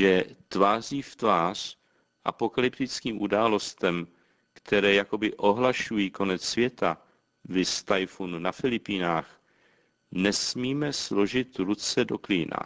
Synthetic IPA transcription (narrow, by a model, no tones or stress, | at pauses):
ʒɛt̪vaːr̝iːft̪vaːr̝̥ | ʔa̰po̞kalɪp̚t̪ɪt͡skiːmʔudaːlo̞st̪ɛm | kt̪ʰɛɾɛːjako̞bɪʔo̞ɦlaʃujiːko̞nɛt͡ssvjɛt̪a | vɪst̪ajfununafɪlɪpiːnaːx | nɛsmiːmɛslo̞ʒɪt̪ɾut͡sɛdo̞kliːna̰